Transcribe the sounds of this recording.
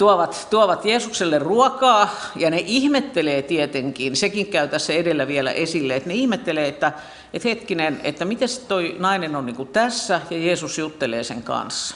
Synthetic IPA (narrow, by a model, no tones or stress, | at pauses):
t̪uoʋɑt̪t̪uoʋɑt̪jeːsukselːerruɔkɑːjɑneʔihmet̪ːeleːt̪iet̪eŋkiːnsekiŋkæyt̪æsːæedelːæʋielæ̰ʔesilːeet̪neihmet̪ːeleːet̪ːæ | et̪het̪kinenḛt̪ːæmit̪estt̪oinɑinenonniːŋkut̪æsːæjɑjeːsusjut̪ːelḛːsḛŋkɑ̰ns